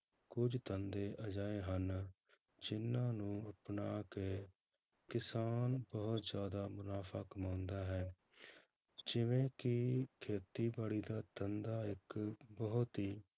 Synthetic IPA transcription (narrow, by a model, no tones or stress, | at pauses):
kʊd͡ʒt̪ənd̪eːʔəd͡ʒaːeːɦən | d͡ʒɪnːãːnũːəpnaːkeː | kɪsaːnbəɦʊt̪zjaːd̪aːmʊnaːfʰaːkəmãːʊ̃nd̪aːɦɛː | d͡ʒɪʋẽːkɪkʰeːt̪iːbaːɽiːd̪aːt̪ənd̪aːɪkbəɦʊt̪ɦiː